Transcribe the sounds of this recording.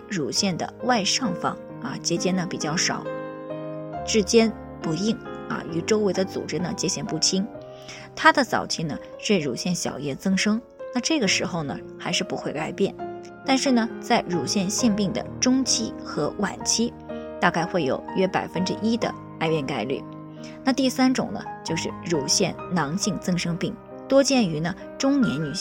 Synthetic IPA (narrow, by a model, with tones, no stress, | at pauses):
ɻu˨˩ɕjɛ˥˩nd̪ə̰˩wa˥˧ɪʂɑ˥˩ŋfɑ̰˥˩ŋ | a˧˩t͡ɕjɛ˥t͡ɕjɛ˥nd̪ə˨˩pḭ˨˩t͡ɕjɑ˥˩ʊʂɑ̰˨˩˦ʊ | ʈ͡ʂɻ̩˥˧t͡ɕjɛ˥n | pu˧˥i˥˩ŋɐ̰˧y˧˥ʈ͡ʂo˥ʊwe˧˥ɪd̪ə˧t͡sṵ˨˩ʈ͡ʂɻ̩˥nə˨t͡ɕjɛ˥ɕjɛ˥˩npu˥˩t͡ɕʰi˥ŋ | t̪ʰa˥d̪ə˨t͡sɑ̰˨˩ʊt͡ɕʰi˥nə˨ | ʂɻ̩˥˩ɻu˨˩ɕjɛ˥˩nɕjɑ̰˨˩ʊjɛ˥˩t͡sɤ˥ŋʂɤ˥ŋ | na˥˧ʈ͡ʂɤ˥˩ɡə˩ʂɻ̩˧˥xo˧ʊnə˩ | xa˧˥ɪʂɻ̩˥˩pu˧˥xwe˥˧ɪka˥˧ɪpjɛ˥˩n | t̪a˥˧nʂɻ̩˥˩nə˩t͡sa˥˩ɪɻu˨˩ɕjɛ˥˧nɕjɛ˥˧npi˥˩ŋd̪ə̰˩ʈ͡ʂʊ˥ŋt͡ɕʰi˥xɤ˧˥wa̰˨˩nt͡ɕʰi˥ | t̪a˥˧ka˥˧ɪxwe˥˩ɪjo̰˨˩ʊɥɛ˥pa̰˨˩ɪfə˥nʈ͡ʂɻ̩˥ʔi˥d̪ə̰˨ | a˥˧ɪɥɛ˥˧nka˥˧ɪly̰˥˩ | na˥˧t̪i˥˩sa˥nʈ͡ʂʊ̰˨˩ŋnə̰˦t͡ɕjo˥˧ʊʂɻ̩˥˩ɻu˨˩ɕjɛ˥˩nnɑ˧˥ŋɕi˥˧ŋt͡sɤ˥ŋʂɤ˥ŋpi˥˩ŋ | t̪wɔ˥t͡ɕjɛ˥˩ny˧˥nə˧ | ʈ͡ʂʊ˥ŋnjɛ̰˧˥nny˨˩